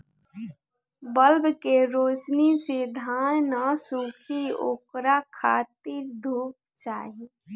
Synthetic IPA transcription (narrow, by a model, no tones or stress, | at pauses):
bəlbkeɾoːt͡ʃnised̪ʱaːnnasuːkʰio̰ːkɾakʰaːt̪iɾd̪ʱuːk̚ | t͡ʃa̰ːɦi